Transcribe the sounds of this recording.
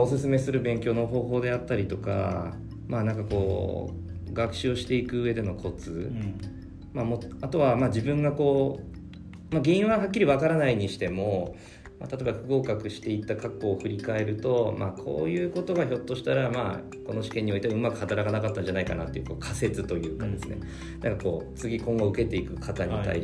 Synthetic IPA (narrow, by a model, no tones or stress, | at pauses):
o̞sɨsɨme̞sɨɾɯ̟bẽ̞ŋkʲo̞ːno̞ɦo̞ːɦo̞ːd̪e̞at̪ːaɾʲit̪o̞ka̰ | manãŋkako̞ː | ɡakɯ̟̥ɕɨo̞ɕi̥t̪e̞ikɯ̟ɯe̞d̪e̞no̞kʰo̞t͡sɨ | mamotat̪o̞βamaːd͡ʑibɯ̟̃ŋɡako̞ː | maɡʲeĩɰ̃βaɦakʲːiɾʲiβakaɾanaiɲ̟iɕi̥t̪e̞mo̞ | ma̰t̪at̪obaɸɯ̟ɡo̞ːkakɯ̟ɕi̥t̪e̞it̪ːakakːo̞ːɸɯ̟ɾʲikae̞ɾɯ̟t̪o̞ma̰kʰo̞̰ːjɯ̟ːko̞t̪o̞ɡaço̞t̪ːo̞ɕi̥t̪aɾamaː | ko̞no̞ɕi̥ke̞ɲːio̞it̪eaɯ̟makɯ̟̥hat̪aɾakanakat̪ːãɲd͡ʑanaikana̰t̪ːo̞jiɯ̟ko̞ːkʰase̞t͡sɨt̪o̞jɯ̟ːkad̪e̞sɨne̞̰ | nãŋkako̞ːt͡sɨɡʲikõ̞ŋɡoɯ̟ke̞t̪e̞ikɯ̟kʰat̪aɲ̟it̪a̰i